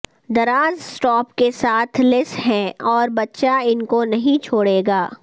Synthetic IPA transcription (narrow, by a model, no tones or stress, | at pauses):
d̪ɐɾaːzsʈɔːpkesaːt̪ʰlɪsɦɛ̃ɔːɾbɐtːʃaɪnkonɐɦĩt͡ʃʰoːɽeːɡaː